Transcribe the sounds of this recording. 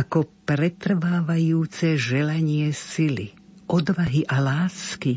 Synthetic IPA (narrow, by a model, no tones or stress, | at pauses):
akɔpɾɛt̪r̩ʋaːʋajuːt͡sɛʒɛlaɲɪɛsilḭʔɔd̪ʋaɦiʔalaːski